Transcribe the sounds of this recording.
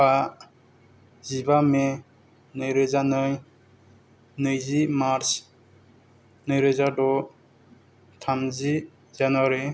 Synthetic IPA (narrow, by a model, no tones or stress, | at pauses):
a | zibame | nɯjɾɯzanɯj | nɯjzimaɾs | nɯjɾɯzadɔ | tʰamzi | zanwaɾi